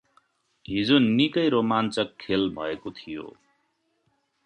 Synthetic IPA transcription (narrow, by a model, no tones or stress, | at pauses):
ɦid͡zonikʌjɾomant͡sʌkʰːelbʱʌekot̪ʰijo̰